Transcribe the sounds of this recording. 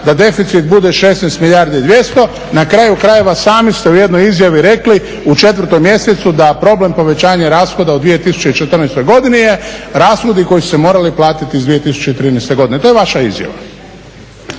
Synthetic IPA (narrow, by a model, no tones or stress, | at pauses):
d̪ad̪e̞fit̪sit̪̚bud̪eʃeːsnɛjst̪milʎʲaɾd̪iid̪ʋje̞st̪o̞ | nakɾaːjukɾaje̞ʋasaːmist̪euje̞d̪nojizjaʋiɾe̞kli | ut͡ʃe̞t̪ʋr̩t̪ojmje̞set̪sud̪apɾo̞ble̞mpo̞ʋe̞t͡ɕaːɲaɾaːsxo̞d̪aud̪ʋije̞t̪isu̥t͡ɕe̞it͡ʃet̪ər̩najst̪o̞jɡo̞d̪inijeɾaːsxod̪iko̞jisu̥semo̞ːɾaliplˠaːt̪it̪iizd̪ʋije̞t̪isu̥t͡ɕeit̪ɾiːnɛjst̪e̞ɡo̞d̪ine̞t̪ojeʋaʃaizja̰ʋa̰